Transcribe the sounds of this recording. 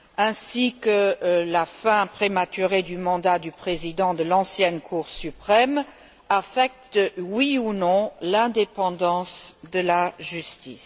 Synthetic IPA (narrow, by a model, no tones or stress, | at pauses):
ɛ̃sikəlafɛ̃pχemat̪yʁed̪ymɑ̃d̪ad̪ypχezid̪ɑ̃d̪əlɑ̃sjɛnkʰuʁsypχɛm | afɛk̚t̪wiunɔ̃lɛ̃d̪epɑ̃d̪ɑ̃sd̪əlaʒyst̪ḭs